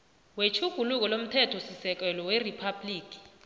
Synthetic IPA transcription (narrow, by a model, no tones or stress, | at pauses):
wet͡ʃʰuɡ̥ʱuluk̬ɔlom̩tʰɛtʰɔsisɛk̬ɛlɔweripʰabliːk̬ʼi̥